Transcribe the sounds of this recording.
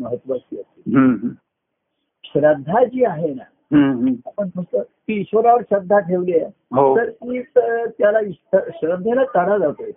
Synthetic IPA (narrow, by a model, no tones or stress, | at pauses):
məɦət̪ːʋət̪iət̪iɦəɦ | ɕɾəd̪ʱːad͡ʑiːaɦena | ɦə̃ɦapəɳtəɡt̪əːt̪iːɕʋəɾaʋəɾɕɾəd̪ʱːaʈʰeʋleja | ɦot̪əɾkiːt̪jalaist̪əɕɾəd̪ʱenak̪əɽad͡zat̪o